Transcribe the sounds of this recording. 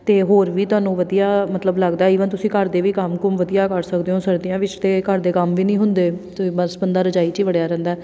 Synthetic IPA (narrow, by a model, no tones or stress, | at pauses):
t̪eːɦoːɾʋiːt̪ʊaːnũːʋəd̪ijaːmət̪ləbləɡd̪aːiːʋənt̪ʊsĩːkəɾd̪eːʋiːkəmkʊmʋəd̪ijaːkəɾsəkd̪eːɦõːsəɾd̪ɪjãːʋɪt͡ʃt̪eːkəɾd̪eːkəmʋiːnĩːɦʊnd̪eːt̪ĩːbəsbənd̪aːɾəd͡ʒaːiːt͡ʃiːʋəɽjaːɾɛ̃ːnd̪aɛː